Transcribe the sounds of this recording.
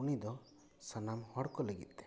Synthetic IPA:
unid̪ɔ | sanamhɔɽkɔleɡḭt̪̚ˀd̪ɛ̥

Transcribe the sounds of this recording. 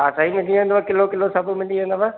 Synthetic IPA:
asaɦimɪliẽnd̪ʋɐkɪlokɪlosɐbʱumɪliɦẽnd̪əʋa

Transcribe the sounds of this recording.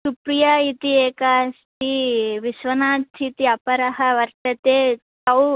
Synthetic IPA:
supɾijait̪ieːkast̪iʋiʃʋɐnaːt̪ʰit̪iɐpɐɾɐɦɐʋɐɾt̪ɐt̪eːt̪ɐw

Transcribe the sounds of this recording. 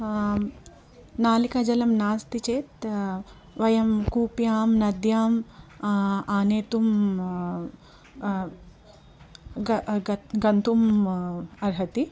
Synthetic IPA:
naːlikaːd͡ʒɐlɐmnaːst̪it͡ʃeːt̪ | ʋɐjɐmkuːpjaːmnɐd̪jaːm | aːneːt̪um | ɡɐnt̪um | ɐɾɦɐt̪i

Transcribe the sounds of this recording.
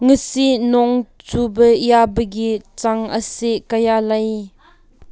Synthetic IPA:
ŋəsinɔŋt͡subəjabəɡit͡saŋəseʔkɐjalaj

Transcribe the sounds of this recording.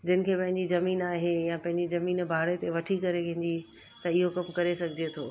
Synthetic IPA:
d͡ʑɪnɪ̆kʰeːpɐ̃ɦɪ̃ɲd͡ʑizɐmiːnaːɦejãpɐ̃ɦɪ̃ɲd͡ʑizɐmiːnbʱaːɽet̪eʋɐʈʰikɐɾekɐ̃ɪ̃d͡ʑi | t̪ɐɪɦokɐmkɐɾesɐɡʱɪd͡ʑet̪ʰoː

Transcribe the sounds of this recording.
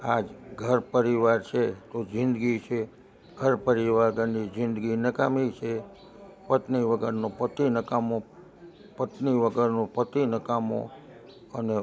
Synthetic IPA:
ad͡ʒɡʱəɾpəɾiʋaɾt͡ʃʰet̪od͡ʒɪ̃nd̪ɡit͡ʃʰe | ɡʱəɾpəɾiʋaɡənid͡ʒɪnd̪ɡinəkamit͡ʃʰe | pət̪niʋəɡəɾnõpət̪inəkamõ | pət̪niʋəɡəɾnũpət̪inəkamõ̰ | əne

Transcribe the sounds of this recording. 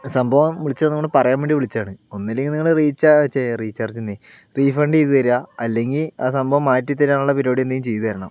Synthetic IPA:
sɐmbʱɐʋɐmʋiɭit͡ɕːɐenːuŋoɳɖɨpɐrɐjaːmbeːɳɖiʋiɭit͡ɕːaːɳɨonːilːeŋɡiniŋːɐɭɨriːt͡ɕːaɐt͡ɕːeriːt͡ɕːaːrt͡ɕːinːe | riːfɐɳɖejt̪uʋɐɾuaɐlːe̞ŋɡilaːs̬ɐmbʱɐʋɐmːaːtːit̪ːɐɾaːɳuɭːɐpiɾoːɽijend̪ɐjumt͡ɕe̞jt̪uʋɐɾɐɳɐm

